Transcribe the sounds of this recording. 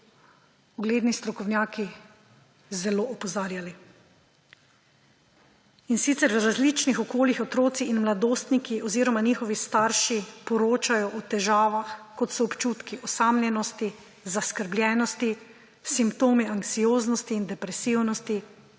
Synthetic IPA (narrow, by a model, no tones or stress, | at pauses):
ɔɡleːd̪nist̪ɾɔkɔwnjaːki | zɛloːʔɔpɔzaːɾjali | insit̪sɛɾwɾazlit͡ʃnixɔkoːljixɔt̪ɾoːt̪siinmlad̪oːst̪nikiʔɔziːɾɔmaniːxɔʋist̪aːɾʃipɔɾoːt͡ʃajɔʔɔt̪ɛʒaːʋaxkɔt̪sɔːpt͡ʃuːt̪kiɔsaːmlʲjɛnɔst̪i | zaskəɾblʲjɛːnɔst̪i | simpt̪oːmiaŋksijoːznɔst̪iːnd̪ɛpɾɛsiwnɔst̪i